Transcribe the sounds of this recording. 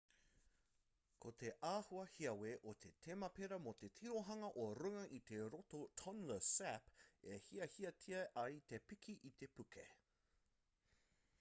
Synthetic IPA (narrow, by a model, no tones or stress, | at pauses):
kʰot̪e̞ʔaːhuɐhiɐweʔot̪ʰe̞t̪ʰemɐpeɾɐmot̪e̞t̪ʰiɾoɦɐŋɐʔoɾʉŋɐʔit̪e̞ɾot̪ot̪ʰɔnləsæpehiɐhiɐtʰiɐʔɐjt̪epikʰiʔit̪e̞pʉkʰḛ